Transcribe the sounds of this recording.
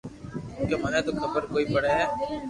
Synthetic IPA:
kemanɛːt̪oːkʰəbəɾkoːiːbəɽeɦɛː

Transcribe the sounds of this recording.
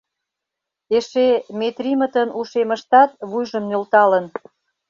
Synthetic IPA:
eʃemet̪rʲimət̪ənʔuʃeməʃt̪ɑt̪̚βujʒəmnʲølt̪ɑlən

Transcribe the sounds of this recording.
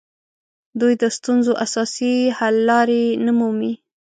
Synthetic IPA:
d̪ujd̪əst̪unzoʔasɑsihalːɑɾenamumi

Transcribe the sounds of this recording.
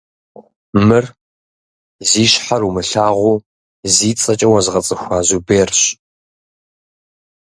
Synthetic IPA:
mɨr | ziːɕħaɾumɨɬaːʁʷʊː | ziːt͡sʼɐt͡ʃʼɐwɐzɨʁɐt͡sʼɨxʷaːzubeːrɕ

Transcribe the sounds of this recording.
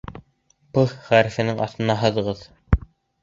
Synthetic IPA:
pɤχʁæɾɘfɘ̆nɘŋɑ̰θt̪ɤ̆nɑɦɤ̆ðɤ̆ʁɤð

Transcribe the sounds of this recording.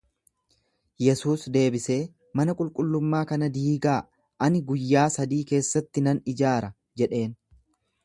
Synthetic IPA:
jɛsuːsd̪e̞ːbɪse̞ː | mɐnɐkʼʊlkʼʊlːʊmːaːkɐnɐd̪iːɡaː | ʔɐnɪɡʊjːaːsɐd̪iːke̞ːsːɐt̪ːɪnɐnɪd͡ʒaːɾɐ | d͡ʒɛᶑe̞ːn

